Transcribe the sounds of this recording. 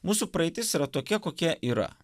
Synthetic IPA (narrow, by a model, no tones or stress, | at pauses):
muːsupɾɐɛɪt̪ʲɪsiːɾɐt̪oːkʲɛkoːkʲɛʔiːɾɐ̰